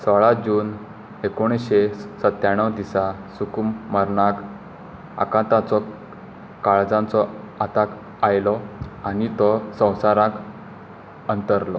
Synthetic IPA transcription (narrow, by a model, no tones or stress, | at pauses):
sɔɭad͡ʑuːn | ekoɽ̃eɕesət̪jaɳ̃əwd̪isasukumməɾɳak | a̰kãt̪at͡sɔ | kaɭd͡zãnt͡sɔ | at̪ak | ajlɔañit̪ɔsə̃w̃saɾãk | ənt̪əɾlɔ